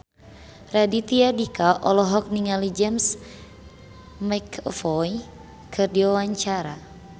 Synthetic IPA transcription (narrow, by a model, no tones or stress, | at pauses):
radit̪iadikaʔɔlɔɦɔk̚niŋalid͡ʒɛms | makfɔj | kʰɨrdiwawaɲt͡ʃaɾa